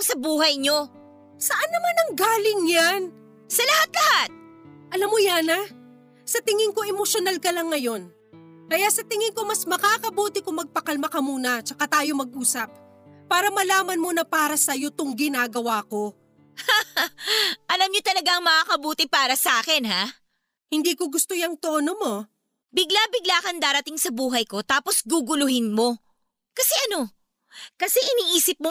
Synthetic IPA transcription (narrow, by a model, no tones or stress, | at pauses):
sɐbuːhɐjɲo | sɐʔanːɐmanɐŋɡaːlɪŋjan | sɐlɐhat̪̚lɐhat̪̚ | ʔɐlamːojanɐ | sɐt̪ɪŋɪŋko̞ʔɛmoʃonalkɐlɐŋːɐjo̞n | kɐjasɐt̪ɪŋɪŋko̞mɐsmɐkaːkɐbuːt̪ɪkʊŋmɐɡ̚pɐkɐlmɐkɐmuːnɐt͡ʃɐkat̪aːjo̞mɐɡ̚ʔuːsɐp̚ | paːɾɐmɐlaːmɐnmonɐpaːɾɐsɐjo̞t̪ʊŋɡɪnaːɡɐwaːko̞ | a | ʔɐlamɲot̪ɐlɐɡaʔɐŋmɐŋaːkɐbuːt̪ɪpaːɾɐsɐaːkɛnha | hɪnd̪iːkoɡʊst̪ojɐŋt̪oːnomo̞ | bɪɡlabɪɡlaːkɐnd̪aːɾɐt̪ɪŋsɐbuːɦɐjko̞t̪aːpo̞sɡuɡʊlʊhɪnmo̞ | kɐsɛʔɐno̞ | kɐsɛʔɪniːʔiːsɪp̚mo